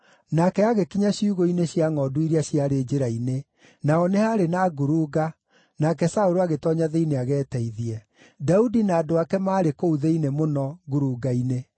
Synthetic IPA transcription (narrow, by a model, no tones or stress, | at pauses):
nakɛaɣekiɲaɕiuɣoineɕjaŋɔduiɾiaɕjaɾed͡ʒeɾaine | naɔnehaɾenaɡuɾuɡa | nakɛsaoɾoaɣetɔɲaðeineaɣɛːtɛiðiɛ | daudinaːdoakɛmaːɾekouðeinemonɔɡuɾuːɡaine